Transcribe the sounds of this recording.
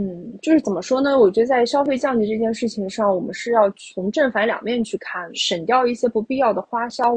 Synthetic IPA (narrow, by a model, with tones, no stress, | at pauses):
n̩˥˩t͡ɕjo˥˧ʊʂɻ̩˥˩t͡sə˨˩mə˦ʂwɔ˥nə˨wɔ˨˩t͡ɕɥɛ˧˥d̪ə˧˩t͡sa˥˩ɪɕjɑ˥ʊfe˥˧ɪt͡ɕjɑ˥˧ŋt͡ɕi˧˥ʈ͡ʂɤ˥˧˩t͡ɕjɛ˥˧nʂɻ̩˥˩t͡ɕʰi˧˩ŋʂɑ˥˩ŋwɔ˨˩mə̰˦nʂɻ̩˥˧jɑ˥˩ʊt͡sʰʊ˧˥ŋʈ͡ʂə˥˩nfa˧˥nljɑ̰˨˩ŋmjɛ˥˧nt͡ɕʰy˥˧kʰa˥˩nʂə˨˩nt̪jɑ˥˧ʊi˥˩ɕjɛ˥pu˧˥pi˥˧jɑ˥˩ʊd̪ə˩xwa˥ɕjɑ˥ʊ